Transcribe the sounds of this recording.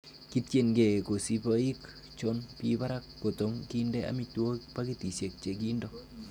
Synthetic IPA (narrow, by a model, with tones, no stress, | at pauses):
ki˦tt͡ʃe˦˨nɡe˨ko˨si˦po˦i˦k | t͡ʃo˦npi˦ba˦ɾa˦kːo˨to˨˦ŋki˦ndɛ˦a̰˦mi˦two˦pa˦ki˦ti˨se˨k̚t͡ʃe˨ki˦ndo˦